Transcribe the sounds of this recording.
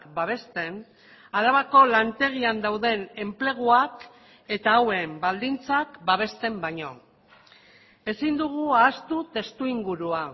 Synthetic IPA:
kbaβ̞e̞st̪e̞n | aɾaβako̞lant̪e̞ɣ̞iand̪awðe̞ne̞mple̞ɣ̞uak | e̞t̪aːwe̞mbald̪int͡sakbaβ̞e̞st̪e̞mbaɲo̞ | e̞sind̪uɣuaːst̪ut̪e̞st̪uiŋɡuɾua

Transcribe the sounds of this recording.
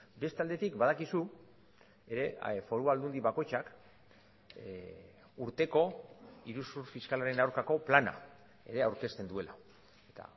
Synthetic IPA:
be̞st̪eald̪e̞t̪ikbað̞akisu | e̞ɾe̞fo̞ɾuald̪und̪iβako̞jt͡ʃak | uɾt̪e̞ko̞iɾusuɾfiskalaɾe̞nawɾkako̞plana̰ | e̞̰ɾe̞awɾke̞st̪e̞nd̪ue̞la | et̪a̰

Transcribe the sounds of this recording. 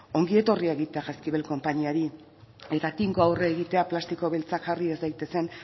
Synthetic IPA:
o̞ŋɡie̞t̪o̞riaeɣit̪e̞aʝaskiβelko̞mpaɲiaɾi | e̞t̪at̪iŋɡoawreːɣit̪eaplast̪iko̞βelt͡sakxariezd̪ajt̪e̞se̞n

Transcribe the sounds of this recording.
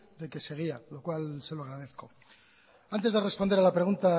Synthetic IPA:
d̪e̞ke̞se̞ɣ̞ialo̞kwalse̞loaɣɾað̞e̞θko̞ | ant̪̬e̞zðe̞re̞spo̞nd̪eɾalapɾe̞ɣunt̪a

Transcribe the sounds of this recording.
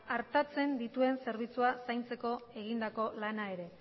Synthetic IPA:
aɾt̪at͡se̞nd̪it̪ue̞nse̞ɾβ̞it͡suasajnt͡se̞ko̞e̞ɣind̪ako̞lanae̞ɾe̞

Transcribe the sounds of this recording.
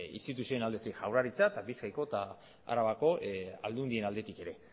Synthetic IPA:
ḭst̪it̪usio̞enald̪e̞t̪ikʝawraɾit͡saet̪abiskajko̞t̪a | a̰ɾaβako̞a̰ld̪und̪ie̞nald̪e̞t̪ike̞ɾe̞

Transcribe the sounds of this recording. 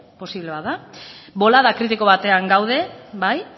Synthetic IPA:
po̞siβle̞βaðabo̞laðakɾit̪iko̞βat̪e̞aŋɡawð̞e̞baj

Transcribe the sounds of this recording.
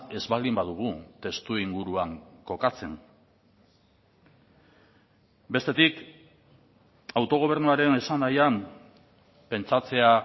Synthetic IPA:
e̞zβald̪imbaðuɣ̞ut̪e̞st̪uiŋɡuɾuaŋko̞kat͡se̞ŋ | be̞st̪e̞t̪ik | awt̪o̞ɣ̞o̞β̞e̞ɾnuaɾe̞ne̞sanajam | pe̞nt͡sat͡se̞a

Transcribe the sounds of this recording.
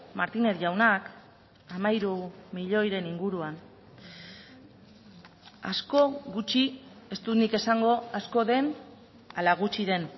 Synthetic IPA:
maɾt̪ine̞ɾʝawnak | amajɾumiʎo̞jɾe̞niŋɡuɾuan | a̰sko̞ɣut͡ʃie̞st̪ut̪nike̞saŋɡo̞asko̞ðe̞n | alaɣ̞ut͡ʃiðe̞n

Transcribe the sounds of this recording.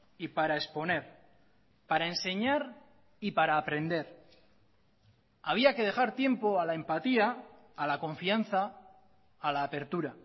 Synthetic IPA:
ipaɾae̞spo̞ne̞ɾ | paɾaense̞ɲaɾ | ipaɾaːpɾe̞nd̪e̞ɾ | aβ̞iake̞ð̞e̞xaɾt̪je̞mpo̞alae̞mpat̪iaː | lakõ̞ɱfian̟θaː | laːpe̞ɾt̪uɾa

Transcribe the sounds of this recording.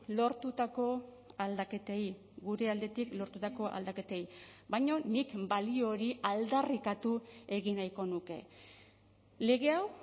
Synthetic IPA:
lo̞ɾt̪ut̪ako̞ | ald̪ake̞t̪ei | ɡuɾe̞ald̪e̞t̪iklo̞ɾt̪ut̪ako̞ʔa̰ld̪ake̞t̪ejbajɲo̞nikbalio̞ɾiald̪arikat̪ue̞ɣinajko̞nuke̞̰ | le̞ɣ̞e̞aw

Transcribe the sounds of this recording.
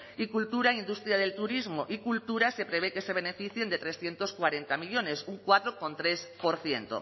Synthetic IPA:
ikult̪uɾaind̪ust̪ɾjað̞e̞lt̪uɾizmoʔikult̪uɾase̞pɾe̞β̞eke̞se̞β̞e̞ne̞fiθje̞nd̪e̞t̪ɾe̞sθje̞nt̪oskwaɾe̞nt̪amiʎo̞ne̞suŋkwat̪ɾoko̞nt̪ɾe̞spoɾθjent̪o̰

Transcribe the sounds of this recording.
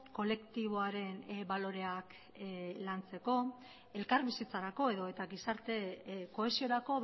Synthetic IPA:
ko̞le̞kt̪iβ̞o̞aɾe̞nbalo̞ɾe̞ak | lant͡se̞ko̞ | e̞lkaɾβisit͡saɾako̞e̞ðo̞e̞t̪aɡisaɾt̪e̞ko̞e̞sio̞ɾako̞

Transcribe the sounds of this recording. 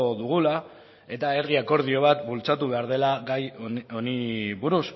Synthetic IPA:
ðuɣ̞ula | e̞t̪ae̞riako̞ɾð̞io̞β̞at̪bult͡sat̪uβe̞aɾð̞e̞laɡajo̞niβuɾus

